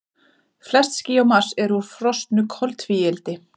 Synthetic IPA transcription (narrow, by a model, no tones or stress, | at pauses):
flɛst̪sciawmar̥sɛɾuɾ̥fɾɔst̪nʏkʰɔlt̪fiːɛlt̪ɪ